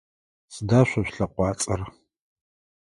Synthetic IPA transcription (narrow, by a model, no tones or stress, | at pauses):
sɨdaːɕʷɐɕʷɬɐqʷɑːt͡sʼɐr